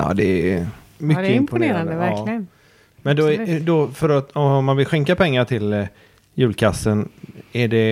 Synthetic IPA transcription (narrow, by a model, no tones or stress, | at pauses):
ɑ̰ːd̪ɛ | mʏkːəɪmpʊneːɾand̪əvæɾlɪən | mɛnd̪ɔd̪ɔfœɾat̪ɔmmːanvɪlɧɛŋkapʰɛŋːaʈʰɪl | jʉ̟ːlkʰasːənæɖɛ